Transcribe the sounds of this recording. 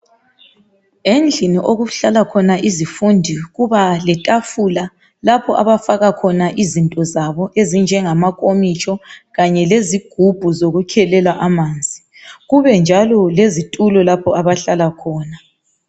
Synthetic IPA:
end͡ɮʱiniʔoɣuɬalakʰɔnaʔizifundʱiɣuβalɛtʼafula | lapʰɔʔaβafaɣakʰɔnaʔizintʼɔzaβɔʔezind͡ʒʱɛŋamakʼomit͡ʃʰɔɣaɲɛleziɡ̥ʱub̥ʱuzoɣukʰɛlɛlaʔamaːnd͡zʱi | ɣuβɛnd͡ʒʱalɔlezitʼulɔlapʰɔaβaɬalakʰɔːna

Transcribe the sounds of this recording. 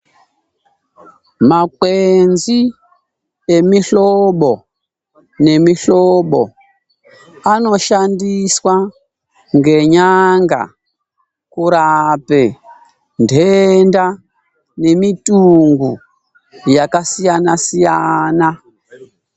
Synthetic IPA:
makwenzi | e̞miɬoɓo̞ | ne̞miɬoɓo̞ | ano̞ʃandiswa | ŋɡe̞ɲaŋɡa̰ | kuɾape | ndʱenda | ne̞mituŋɡu | jakasijanasijana

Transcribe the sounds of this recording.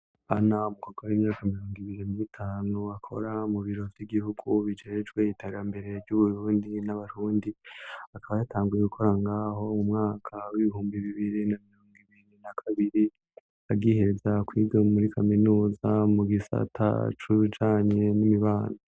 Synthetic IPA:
anamukaɡoimɲaːkamiɾo̞ːŋɡiβiɾiniitʰaːnuakʰo̞̰ɾamuβiɾo̞vjiɡihuɡuβid͡ʒe̞d͡ʒɡwe̞iteːɾambe̞ɾe̞vɟuβuɾuːndinaβaɾuːndiakʰaβajatʰaːŋɡuje̞ɡukʰo̞ɾaŋɡaːɦo̞umŋaːkʰawiβihuːmbiβiβiɾinamiɾoːŋɡiβiɾinakʰaβiɾi | aɡihezakwiːɡomuɾikʰaminuːzamuɡisa̰tʰa̰t͡ʃuid͡ʒaːɲe̞nimiβaːna

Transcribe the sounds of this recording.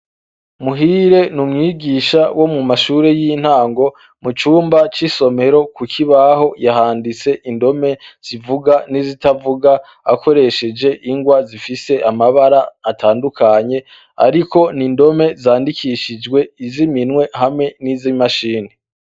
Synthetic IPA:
muɦiɾe̞numŋiːɡiːʃawo̞mumaʃuːɾe̞jin̥haːŋɡo̞ | mut͡ʃuːmbat͡ʃiso̞me̞ɾo̞kukʰiβaɦo̞jaɦaːndit͡se̞ʔindo̞me̞z̥ivuɡanizitavuɡa | akʰo̞ɾe̞ʃe̞d͡ʒe̞ʔiŋɡwazifise̞ʔamaβaɾaːtʰaːndukaɲe̞ | a̰ɾiko̞nindo̞me̞zaːndikʰiʃid͡ʒɡwe̞iziminwe̞hamŋe̞nizimaʃiːni

